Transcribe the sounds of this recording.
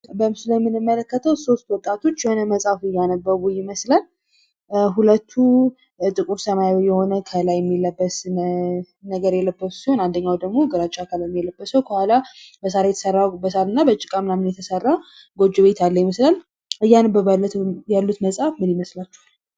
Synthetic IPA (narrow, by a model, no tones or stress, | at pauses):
bəmsulajmːɨnɨmːələkːət̪ʰəwso̞st̪wɔt̪ʼat̪ʰo̞t͡ʃːjɛhonəməsʼafɨjːanəbːəβujɪməslən | ɦulət̪ʰːu | t̪ʼɨkʼuɾsəmajajjːɛho̞nəkʰəlajɛmːilːəbːəs | nəɡəɾjɛlːəbːəsu̥sihonand̪əɲːawd̪əɡmo̞ɡəɾat͡ʃʼakʰalɛmːjɛlːəbːəsəwkʰəhʷalabəsaɾajɛt̪ʰə̥sərːabəsaɾɨnːabət͡ʃʼːɪ̥kʼamnamɨnjɛt̪ʰəsərːa | ɡo̞d͡ʒːuβet̪ʰalːəjməslən | ɨjːanəbːəβjalːut̪məsʼafmɨnjɪməslat͡ʃːɛ̥h